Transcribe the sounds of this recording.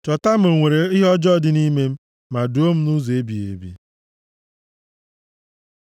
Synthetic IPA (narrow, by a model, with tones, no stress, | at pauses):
t͡ʃɔ˨ta˦m̩˦o˨ŋʷe˨ɾe˨ɪ˦ɦɔ˦d͡ʒɔ˦˨dɪ˨ni˦me˦m̩˦ | ma˨du˨˦o˦m̩˦nu˦ze˦bi˨ḛ˨bḭ˦